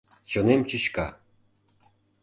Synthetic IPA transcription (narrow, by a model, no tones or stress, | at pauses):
t͡ɕonemt͡ɕɨt͡ɕkɑ̰